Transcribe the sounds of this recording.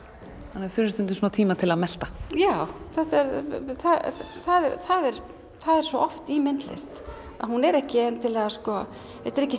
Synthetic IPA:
hanːaθʏɾʏst̪ʏnt̪̬ʏsunat̪ʰiːmat̪ʰɪlaðmɛl̥t̪ḁjawθɛht̪ɛɾθaθaðɛɾθaðɛɾ | θaðɛɾ̥svɔʔɔft̪iːmɪnt̪lḛst̪ | a̰ðhunɛɾɛhcɪɛnt̪ʰɪlɛːɣaskɔː | ɛt̪ɛɾɛhcːɪ

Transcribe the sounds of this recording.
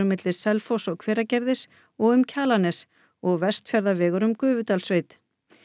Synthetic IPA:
ʏmːɪt̪lɪ̥sɛlfɔwsɔkʰv̥ɛːɾacɛɾðɪs | ɔɣʏmcʰaːlanɛs | ɔɣvɛ̥st̪fjɛɾðavɛːɣʏɾʏmkʏːvʏt̪alsveːjt̪

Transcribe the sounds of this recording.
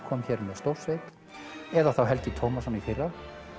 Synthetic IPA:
kʰɔːmçɛːɾmɛðst̪owɾ̥svejt̪ | ɛðaθawɦɛlt̪ɪt̪ʰoːwmasɔnifɪrːa

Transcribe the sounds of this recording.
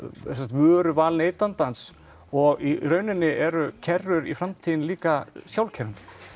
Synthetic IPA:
sɛt̪vʏɾʏvaːlneːjt̪ant̪ans | ɔɣiɾœːɥnɪnːɪʔɛɾʏcʰɛrːʏɾifɾamt̪ʰiːɪnliːkasjawlcʰɛɾʏnt̪

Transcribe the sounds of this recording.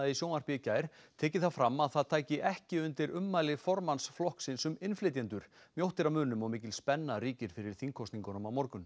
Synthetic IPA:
isjoːwnar̥pɪcaːjɾ̥t̪ʰɛːcɪθaðfɾamːaðθaðt̪ʰaːjcɪʔɛhcɪʏnt̪ɪɾʏmːajlɪfɔɾmansflɔhksɪnsʏmɪnflɪːt̪̬jant̪ʏɾ̥ | mjowht̪ɪɾamʏːnʏmɔɣmɪːc̬ɪlspɛnːaɾiːcɪɾ̥fɪɾɪɾ̥θiŋkʰɔst̪niŋkɔnɔmawmɔɾkʏm

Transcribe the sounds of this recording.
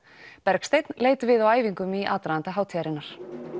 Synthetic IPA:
pɛɾkst̪ejt̪nleːjt̪ʏvɪðawaːjviŋkʏmiʔa̰ːt̪ɾaant̪aɦaːwt̪ʰjaɾɪnːaɾ̥

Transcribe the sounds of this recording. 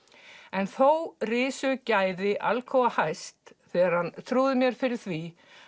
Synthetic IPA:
ɛnθowrɪːsʏcaːjðɪʔa̰lkʰɔwahajst̪θɛːɣaɾ̥hant̪ʰɾuːðʏmjɛɾ̥fɪɾɪɾ̥θvi

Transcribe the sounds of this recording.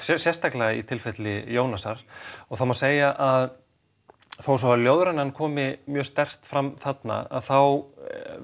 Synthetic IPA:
sjɛst̪aklaɣaḭt̪ʰɪlfɛt̪lɪjoːwnasaɾ̥ɔɣθawmaseːjaʔað | θowsɔvaljowðɾanankʰɔːmɪmjœːst̪ɛr̥t̪fɾamθat̪na̰a̰ðθaw

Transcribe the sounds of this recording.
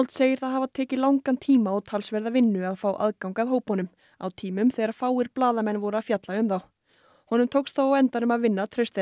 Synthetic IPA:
lt̪seːjɪɾ̥θaðhavat̪ʰɛːcɪlawŋkant̪ʰiːmaawt̪ʰalsvɛɾðavɪnːʏaðfaːwʔa̰ðkawŋkaðɦoːwphɔnʏm | a̰wt̪ʰiːmʏmθɛːɾaɾ̥faːwɪɾplaːðamɛnːvɔɾafjat̪laʏmθaw | hɔnʏmt̪ʰowksθawawɛnt̪aɾʏmaðvɪnːat̪ʰɾœɥst̪ɛ

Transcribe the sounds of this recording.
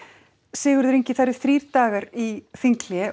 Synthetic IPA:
sɪːɣʏɾðʏɾejɲcɪθaɾɪθɾiːɾ̥t̪aːɣaɾiθiŋkljɛ

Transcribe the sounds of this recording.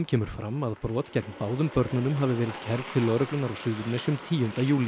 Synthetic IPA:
mcʰɛːmʏɾ̥fɾamːaðpɾɔːt̪cɛknpaːwðʏmpœɾt̪nʏnʏmɦavɪvɛːɾɪð̥cʰɛɾ̥t̪ʰɪlːœɣɾœklʏnaɾawsʏːðɪt̪nɛsʏmt̪ʰiːjʏnt̪ajuːlɪ

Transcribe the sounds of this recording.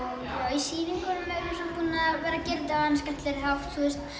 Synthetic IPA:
isiːvɪŋkɔlʏmɛɾɪsapuːnavɛːɾacɛɾt̪avanskaht̪lɛɾɪɦawft̪θust̪

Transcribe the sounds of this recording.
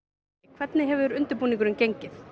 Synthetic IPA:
kʰvɛt̪nɪɦɛvʏɾʏnt̪ʏɾpuːniŋkʏɾɪncejɲcɪθ

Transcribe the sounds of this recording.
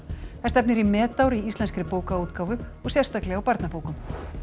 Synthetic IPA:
θɛst̪ɛpnɪɾimɛːt̪awɾiist̪ɛnskɾɪpoːwkauːt̪kaːwvʏɔɣsjɛr̥st̪aklɛɣawpaɾt̪napoːwkʏm

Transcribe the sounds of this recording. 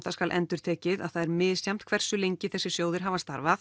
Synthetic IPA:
θaskalʔɛnt̪ʏɾ̥t̪ʰeːcɪða̰ðθaðɛɾmɪðsjam̥t̪kʰvɛr̥sʏlejɲcɪθɛsːɪ̥sjoːwðɪɾ̥ɦavanst̪a̰ɾvaθ

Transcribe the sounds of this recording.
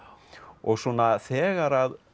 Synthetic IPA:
ɔɣsunːaθɛːɣaɾað

